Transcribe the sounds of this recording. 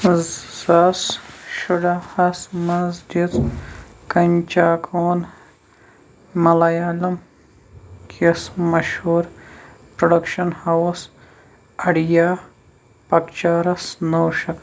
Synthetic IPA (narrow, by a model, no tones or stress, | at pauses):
z̥ɐsʃuɖɐhɐsmɐzd͡ʒid̪ | kɐnʲt͡ʃaːkʰoːn | mɐlɐjaːlɐm | kʰismɐʃhuːɾpɾoɖɐkʃɐnhɐws | ɐɽijaː | pɐkt͡ʃaːɾɐsnoːwʃɐk